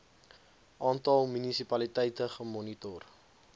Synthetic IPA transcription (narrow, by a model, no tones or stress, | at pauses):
ʔɑːntɐlˠmynisipɐlitɛjtəχəmɔnitɔr